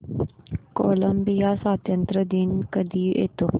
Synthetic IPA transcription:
koːləmbijasaːt̪jənt̪ɾəd̪inkəd̪iʔḛːt̪oː

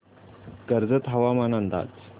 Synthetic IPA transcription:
kəɾd͡zət̪ɦɐʋamanand̪a̰ːt͡s

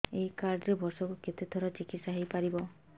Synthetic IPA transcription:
eikaɾɖɾebɔɾsɔkuket̪et̪ʰɔɾat͡ʃikit̪saɦejpaɾibɔ

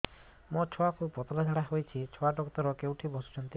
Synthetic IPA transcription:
mɔt͡ʃʰɔakʰubpɔt̪ɔlad͡ʒʱaɽaɦojt͡ʃʰit͡ʃʰɔaʈɔkɔt̪ɔɾɔkewʈʰibɔsu̥t͡ʃʰant̪i

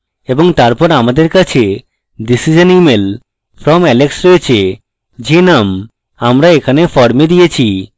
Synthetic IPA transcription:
eboŋt̪aɾpɔɾamad̪eɾkat͡ɕʰe | disid͡ʑonimel | fɾɔmɛleksɾojet͡ɕʰe | d͡ʑenam | amɾaekʰanefɔɾmed̪ijet͡ɕʰi

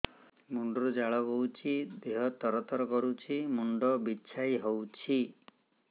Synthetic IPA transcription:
muɳɖɔɾɔd͡ʒaɭɔɡɔwt͡ʃʰid̪eɦɔt̪ɔɾɔt̪ɔɾɔkɔɾut͡ʃʰimuɳɖɔbiːt͡ʃʰajiɦowt͡ʃʰi

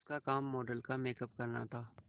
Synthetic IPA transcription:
skakaːmːoːɖəlkameːkəp̚kɐɾna̰t̪ʰaː

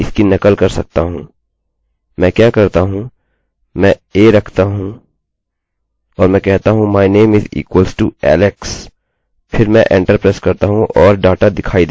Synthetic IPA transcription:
ɪskinɐkəlkɐɾsɐ̰k̚t̪aɦũː | mɛ̃ːkjaːkɐɾt̪aɦũ | mɛ̃eːɾɐkʰt̪aɦũ | ɔːɾmɛ̃kɛɦt̪aɦũmaːineːmɪzḭːkwəlsʈuɛ̰ːleks | pʰɪɾmɛ̃ʔẽːɳʈəɾpɾeːskɐɾt̪aɦũʔɔːɾɖaːʈad̪ɪkʰaːid̪e

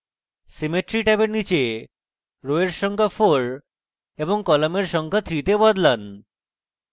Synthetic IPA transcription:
semeʈɾiʈɛbeɾnit͡ɕe | ɾoeɾʃɔŋkʰafoɾ | eboŋkɔlameɾʃɔŋkʰat̪ʰɾit̪ebɔd̪lan

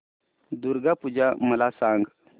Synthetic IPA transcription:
duɾɡapud͡ʒaməlasaŋɡ

